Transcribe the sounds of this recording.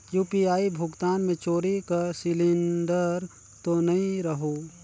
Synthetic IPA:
juːpiaːibʱʊɡt̪aːnmẽt͡ʃoːɾikɐɾsɪlɪ̃nɖəɾ | t̪onɐĩɾɐɦoː

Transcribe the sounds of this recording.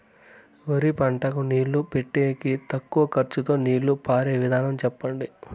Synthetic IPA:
ʋɐɾipɐɳʈɐkuniːɭːupeʈːeːkit̪ɐkːuʋɐkɐɾt͡ʃut̪o̞ːniːɭːupaːɾeːʋid̪ʱaːnɐmt͡ʃɛpːɐɳɖi

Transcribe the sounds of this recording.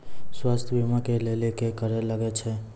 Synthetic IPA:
swast̪ʰbʱimakelelekekəɾeləɡɛt͡ʃʰɛ

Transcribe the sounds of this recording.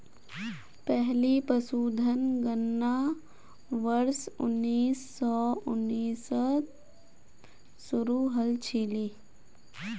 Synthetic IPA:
pɛɦlipəsuːd̪ʱənɡənːa | ʋəɾsʊ̰nːiːsːɔʊnːiːsə | sʊɾuɦəlt͡ʃʰiliː

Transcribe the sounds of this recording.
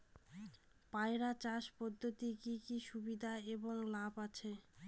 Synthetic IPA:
paeɾat͡ɕaʃpɔd̪ʱːot̪ikikiʃubid̪ʱaeboŋlabat͡ɕʰe

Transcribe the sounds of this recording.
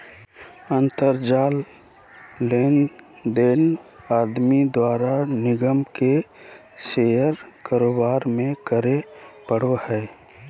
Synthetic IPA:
ə̃nt̪əɾd͡ʒaːlː | eːnd̪eːnaːd̪mid̪waːɾanɪɡəmke | sejəɾkaːɾoːbaːɾmẽkəɾepəɽ̤ohɛː

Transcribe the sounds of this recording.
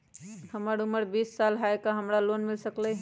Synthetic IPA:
həməɾuməɾbisːalɦaekaɦəmɾalonmilsəklə

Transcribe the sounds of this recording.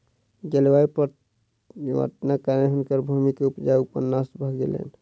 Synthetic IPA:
ɡelwaipə | ə̰ʈnakaɾneɦunkəɾbʱumikeupd͡ʒajupə̰nnasbʱəɡɡḛlḛn

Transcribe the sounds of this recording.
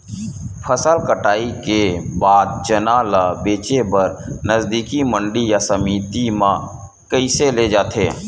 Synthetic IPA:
pʰəsəlkəʈaːikebaːd̪̚d͡ʒənaːlabeːt͡ʃebəɾnəzd̪iːkimə̃ɳɖijasəmiːt̪imãː | kəiseled͡ʒaːt̪ʰḛː

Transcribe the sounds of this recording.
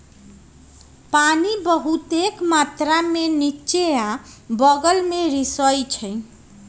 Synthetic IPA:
panibʌɦut̪ekmat̪ɾamenit͡ʃeãbʌɡʌlmeɾisʌjt͡ʃʰʌj

